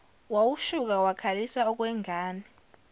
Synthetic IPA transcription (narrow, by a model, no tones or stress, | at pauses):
wawuʃuk̬awakʰalisaɔk̬wɛŋʱaːni